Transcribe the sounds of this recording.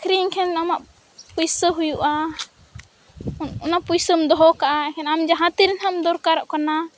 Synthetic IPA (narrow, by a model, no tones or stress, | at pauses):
akʰɾiŋkʰɛnamaʔ | pujsəɦujuʔa | ɔnaʔpujsəmd̪ɔɦɔkaʔaɛkʰɛnamd͡ʒaɦãt̪iɾinhamd̪ɔɾkaɾɔʔkana